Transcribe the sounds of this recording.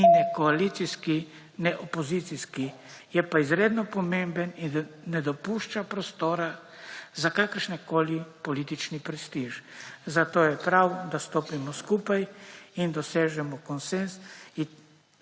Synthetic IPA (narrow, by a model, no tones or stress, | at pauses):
inɛkɔalit̪siski | nɛʔɔpɔzit̪siski | jɛpaizɾeːd̪nɔpɔmembənind̪nɛd̪ɔpuʃt͡ʃapɾɔst̪oːɾa | zakaːkəɾʃnɛkoːlipɔliːt̪it͡ʃnipɾɛst̪iʒzat̪oːjɛpɾawd̪ast̪oːpimɔskupajind̪ɔseːʒɛmɔkɔnsensi